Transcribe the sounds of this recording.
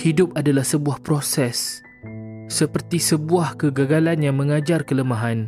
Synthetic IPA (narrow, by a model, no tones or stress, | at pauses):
hidʊp̚adalahsəbuahpɾosɛsː | əpərt̪isəbuahkəɡaɡalanjaŋmə̃ŋad͡ʒarkələmaɦan